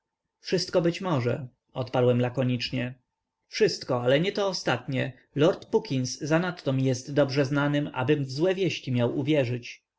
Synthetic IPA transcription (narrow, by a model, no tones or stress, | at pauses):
fʂɘst̪̚kɔbɘt͡ɕmɔʐɛ̰ | ɔt̪paɾwɛmlakɔɲit͡ʂɲɛ | fʂɘst̪kɔalɛɲɛt̪ɔːst̪at̪ɲɛ | lɔɾt̪pukʲinszanat̪ːɔmʲijɛst̪ːɔbʐɛznanɘma̰bɘmvzwɛvʲjɛɕt͡ɕimʲjawuvʲjɛʐɘt͡ɕ